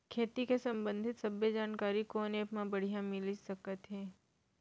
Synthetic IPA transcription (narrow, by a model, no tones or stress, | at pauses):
kʰet̪ikesəmbə̃nd̪ʱit̪səbʱjəd͡ʒankaɾikonepmãbəɽ̤jãmiliʃəkət̪ɦe